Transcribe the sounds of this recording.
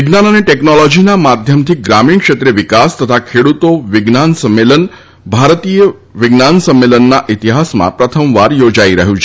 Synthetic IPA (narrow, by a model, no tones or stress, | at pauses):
ʋɪɡnanəneʈeknɔlɔd͡ʒinamad̪ʱjəmt̪ʰiɡɾamiɳkʃet̪ɾeʋikast̪ət̪ʰakʰeɽut̪oʋɪɡnansəmːelən | bʱaɾt̪ijə | ʋɪɡnansəmːelənːaʔit̪iɦasmã̰pɾət̪ʰəmʋaɾjod͡ʒaiɾəɦjũt͡ʃʰe